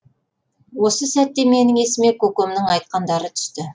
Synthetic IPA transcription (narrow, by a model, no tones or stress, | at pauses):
wo̞səsæt̪ːe̞me̞nɪŋe̞sɪme̞kʲʰɵkomnɪŋɑjt̪̚qɑnd̪ɑɾət̪ʰʏ̥st̪ɪ